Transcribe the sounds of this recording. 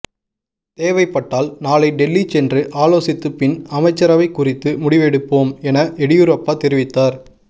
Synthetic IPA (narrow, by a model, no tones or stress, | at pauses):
t̪eːʋɐɪpːɐʈːaːlnaːlɐɪɖɛlːit͡ʃɛndrɯʔaːloːsɪt̪ːɯpɪnɐmɐɪt͡ʃːɐɾɐʋɐɪkːʊrɪt̪ːɯmʊɽɪʋɛɽɯpːoːmɛnɐʔɛɽɪjʊɾɐpːaːt̪ɛɾɪʋɪt̪ːaːɾ